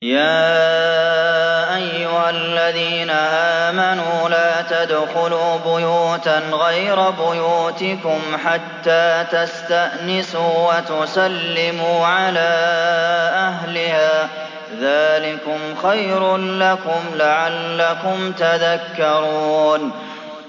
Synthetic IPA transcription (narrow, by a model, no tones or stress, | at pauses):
jaː | ʔajːʊhalːaðiːnaʔaːmanuːlaːt̪ad̪xʊluːbʊjuːt̪aɣajɾabʊjuːt̪ɪkʊmħat̪ːaːt̪ast̪aʔnɪsuːwat̪ʊsalːɪmuːʕalaː | ʔaɦlɪhaː | ðaːlɪkʊmxajɾlakʊmlaʕalːakʊmt̪aðakːɑɾˤuuːn